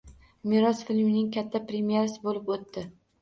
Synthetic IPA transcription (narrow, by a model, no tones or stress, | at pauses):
mɪɾɒsfɪlmnɪŋkʲʰat̪ʰːapɾe̞mijeɾasɪbolɪpot̪ːɪ